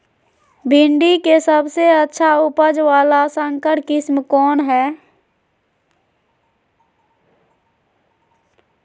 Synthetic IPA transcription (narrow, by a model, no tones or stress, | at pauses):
bʱɪɳɖikesəbseətːʃʰaʊpəd͡ʒʋaːlasə̃ŋkəʈkɪsmkɔːnɦɛː